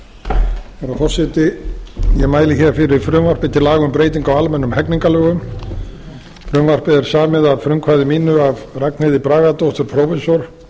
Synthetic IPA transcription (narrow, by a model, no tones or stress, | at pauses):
faɾafɔsɪt̪ɪjɛɣmaːjlɪçɛɾfɪɾɪfɾʏːmvar̥pɪt̪ʰɪlaːɣʏmpɾeːjt̪iŋkawalmɛnːʏmhɛkniŋkalœːɣʏm | fɾʏːmvar̥pɪðɛɾ̥saːmɪðavfɾʏmkʰvaːðɪmiːnʏavraknɪðɪpɾaːɣat̪owht̪ʏɾpʰɾɔwfɛsɔɾ̥